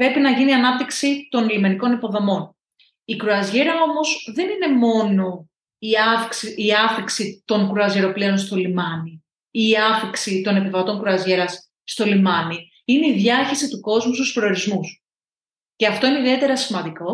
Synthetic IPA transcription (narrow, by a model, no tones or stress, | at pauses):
pɾe̞pinɐʝiniɐnɐp̚t̪iksit̪onlime̞niko̞nipo̞ðo̞mo̞n | ikɾuɐzʝeɾɐo̞mo̞zðe̞nine̞mo̞no̞ | iɐksiɐθiksit̪o̞ŋkɾoɐzʝeɾo̞pleo̞nst̪o̞limɐni | iːɐfiksit̪o̞ne̞pivɐt̪o̞ŋkɾuɐzʝeɾɐs | st̪o̞limɐni | ine̞iðʝɐçesit̪uko̞zmust̪usfɾeoɾizmus | ce̞ɐft̪o̞ineiðie̞t̪e̞ɾɐsimɐnd̪iko̞